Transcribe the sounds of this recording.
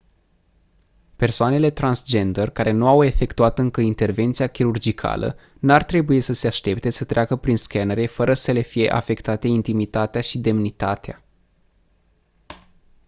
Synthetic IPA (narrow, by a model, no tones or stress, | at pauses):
pe̞rsoane̞le̞t̪ɾansd͡ʒe̞nd̪ərkaɾe̞nuawe̞fe̞kt̪uat̪ɨŋkəint̪e̞rve̞nt̪sijakʲiɾurd͡ʒikʰa̰lʔə̰ | nuart̪ɾe̞bujesəse̞aʃt̪e̞p̚t̪e̞sət̪ɾeakəpɾinskenəɾe̞fəɾəsəle̞fije̞ʔa̰fe̞kt̪at̪e̞int̪imit̪at̪eaʃid̪e̞mnit̪at̪ea